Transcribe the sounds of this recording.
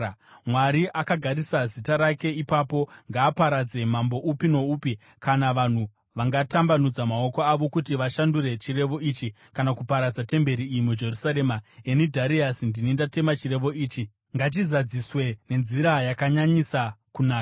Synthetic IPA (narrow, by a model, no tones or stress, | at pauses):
mwaɾiʔakaɡʱaɾisazitaɾake̞ipaːpo̞ŋɡaːpaɾad͡ze̞mambo̞ʔupino̞uːpi | kanaʋan̤u | ʋaŋɡatambanud͡zamao̞ko̞aʋo̞kutiʋaʃanduɾe̞t͡ʃire̞ʋo̞iːt͡ʃi | kanakupaɾad͡zate̞mbe̞ɾiːjimud͡ʒe̞rusaɾe̞ːmaenidʱaɾiasindinindate̞mat͡ʃire̞ʋo̞iːt͡ʃi | ŋɡat̬izad͡ziswe̞ne̞nziɾajakaɲaɲisakunaːka